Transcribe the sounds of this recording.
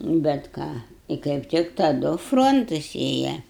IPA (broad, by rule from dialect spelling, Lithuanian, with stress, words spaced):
bʲɛt ˈkɑː ɪ kɐɪp ˈtʲɪk tɐˈdʊ ˈfroːntʊs ˈeːjɛ